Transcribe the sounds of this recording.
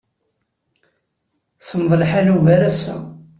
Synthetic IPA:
səmðˤəlħaluvæɾæsːæ̰

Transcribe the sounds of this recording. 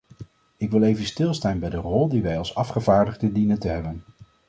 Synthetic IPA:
ɪkʋɪlˠejvənstɪlˠstaːnbɛjdərɔlˠdiʋɛjɑlˠsɑfχəvaːɹdəχdədinəntəɦɛbən

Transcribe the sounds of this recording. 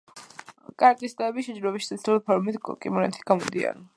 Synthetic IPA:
kʼaɾt̪ʼist̪ʼɛbiʃɛd͡ʒɾɔbiʃsʰɛsʰɾulipʰɔɾmit̪ʰkʼḭmɔnɛ̰t̪ʰi̥ɡ̥amɔd̪ia̰n

